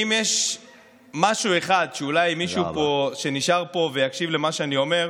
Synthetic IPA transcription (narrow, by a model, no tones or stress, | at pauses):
imjeʃ | maʃue̞χad̪ʃeulajmiʃupoʃe̞niʃaʁpo̞ve̞jakʃivle̞maʃeanio̞me̞ʁ